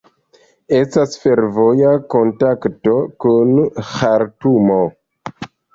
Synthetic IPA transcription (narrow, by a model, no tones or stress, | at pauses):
e̞stasfe̞ɾvo̞jako̞ntaktokunxaɾtumo̞